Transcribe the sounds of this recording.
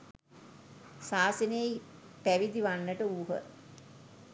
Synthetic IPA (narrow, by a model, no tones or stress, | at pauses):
saːsənei | pæʋid̪iʋanːəʈəuːɦə̰